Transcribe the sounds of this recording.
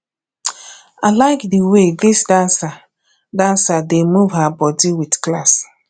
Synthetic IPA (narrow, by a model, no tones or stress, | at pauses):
alaɪkdiwedɪsdansa | dansademuvɦabɔdiwitklas